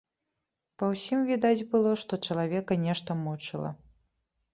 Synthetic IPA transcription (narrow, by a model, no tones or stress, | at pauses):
pɐwsʲimvʲid̪ad͡zʲbɨlˠɔʂt̪ɔt͡ʂɐlˠavʲɛkɐnʲɛʂt̪ɐmɔt͡ʂɨlˠɐ̰